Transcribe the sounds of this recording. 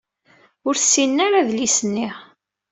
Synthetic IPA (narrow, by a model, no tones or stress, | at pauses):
ʊɾθsːinːaɾaðlisənːiʁ